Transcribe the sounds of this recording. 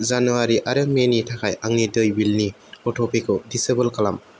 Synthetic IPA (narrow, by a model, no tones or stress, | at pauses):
zanuaɾiʔaɾɯŋmenitʰakʰajʔaŋnidɯjbilni | ɔtʰɔpʰekʰɯdisebəlkalam